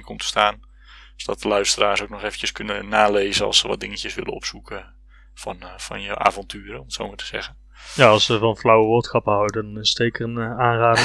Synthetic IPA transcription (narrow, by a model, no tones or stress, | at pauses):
kʰɔmtə̥staːn | sdɔt̚əlœɥstəraːsowk̚nɔχeːvəncəskɵnənaːleːzənɑ̰səʋɔ̰t̚dɪŋəcəsʋɪ̰lˠə̰nɔ̰psukʰə | fɔnfɔ̰njəʔa̰ːvɔntʰyːrəɔmətsoːmatʰəz̥ɛ̰ɣə | jaɑlˠsʋəvɔnflawəʋoːtsxɑpəɦawdəndɔnɪsteːkərənaːnraːd